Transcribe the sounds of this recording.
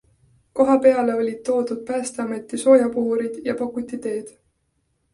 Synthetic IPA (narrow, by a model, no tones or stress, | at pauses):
ko̞ɦɑpe̞ɑle̞o̞lʲid̪̥̚t̪ːo̞ːd̪ud̪̥̚pæːst̪e̞ɑme̞t̪ːˑiso̞ːjɑpuɦuɾid̪̥jɑpɑkːut̪ːˑit̪e̞ːd̪̥